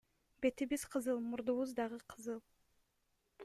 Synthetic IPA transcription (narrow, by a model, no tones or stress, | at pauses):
be̞t̪ibizqʰɯzɯlˠmuɾd̪uβuzd̪ɑʁɯqʰɯzɯlˠ